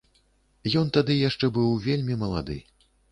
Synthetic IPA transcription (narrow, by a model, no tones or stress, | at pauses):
jɔnt̪ad̪ɨjaʂt͡ʂɛbɨwvʲelʲmʲimɐlˠa̰d̪ɨ̰